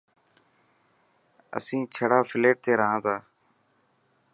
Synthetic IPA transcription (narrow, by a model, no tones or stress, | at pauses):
ə̰sĩːt͡ʃʰəɽaːfʰɪleːʈ̚t̪eːɾəɦãːt̪aː